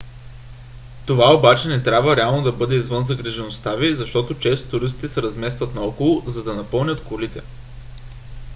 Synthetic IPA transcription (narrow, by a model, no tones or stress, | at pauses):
t̪ovaobat͡ʃɛnɛt̪ɾʲabvəɾɛalˠnod̪ɐbɤd̪ɛizvɤnzɐɡɾɛʒɛnost̪avizɐʃt̪ɔt̪ot͡ʃɛst̪o̥t̪ʊɾist̪i̥t̪ɛsɛɾɐzmɛst̪vət̪nɐɔkolˠozɐd̪ɐnɐpɤlˠnʲət̪kolit̪ɛ